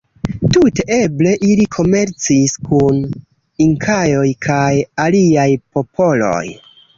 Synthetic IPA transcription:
tute̞ʔe̞ble̞ʔilikʰo̞me̞ɾt͡siskʰun | iŋkʰajo̞jkʰajaliajpo̞pʰo̞lo̞̰j

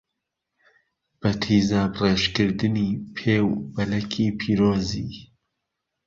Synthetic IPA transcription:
b̥ɐt̪ʰiːzaːbreːʃkɨɾd̪ɨniːpʰeːwbɐlɛkʰiːpʰiːɾoːziː

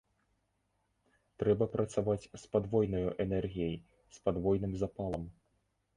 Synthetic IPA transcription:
t̪ɾɛbɐpɾɐt̪savat͡sʲspad̪vɔjnɔjuʔɛnɛrɣʲijɛj | spad̪vɔjnɨmzapalˠɐm

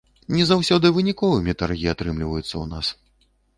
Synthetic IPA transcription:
nʲɛzawsʲɔd̪ɨvɨnʲikɔvɨmʲit̪arɣʲiat̪ɾɨmlʲivɐjut̪sːɐ̰una̰s

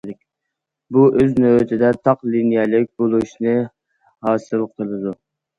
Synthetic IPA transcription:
ɪk̚ʲ | buʔøznøwt̪ʰɪd̪ɛt̪ʰɑqlinijɛlɪk̚ʲbolˠuʃnɨ | hɑːsɨlˠqʰəlˠɨd̪u

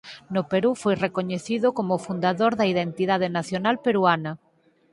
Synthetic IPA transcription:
nʊpeɾufojrekoɲeθiðokomofund̪aðoɾðɐiðent̪iðað̞enaθjonalpeɾuanɐ

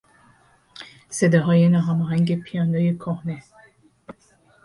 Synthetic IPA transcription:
sed̪ɔɦɒːjenɒːɦæmɔːɦæŋɡepʰijɑːnd̪ojekʰohne

